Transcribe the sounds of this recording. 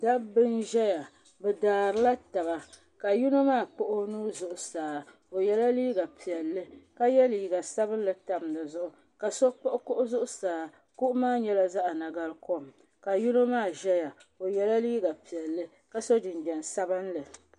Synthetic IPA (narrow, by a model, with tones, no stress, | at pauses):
da˦bɨ˦nʒɛ˦ja˨ | bɛ˨daː˨ɾɨ˦la˦ta˨βa˨ | ka˨ju˦no˦maː˦˨k͡po˦ʔʊ˦nuː˦zʊ˦ʔʊ˨saː˨ | o˨jɛ˨la˦liː˦ɡa˨pi˨ɛ˨lːɨ˦ka˦jɛ˦li˨i˨ɡa˨sa˦bɨ˦n˦lɨ˨ta˨mnɨ˨zʊ˦ʔʊ˨ | ka˨so˦k͡po˦ʔʊ˦kʊ˦ʔʊ˦zʊ˦ʔʊ˦saː˨ | ku˦ʔʊ˦maː˦ɲɛ˦la˦za˦ʔa˨na˨ɡa˦lko˦m˨ | ka˨ju˦no˦maː˦˨ʒɛ˦ja˨ | o˨jɛ˨la˦liː˦ɡa˨pi˨ɛ˨lːɨ˦ | ka˦so˦dɨ˨nbɛ˨n˨sa˦bɨ˦nlɨ˨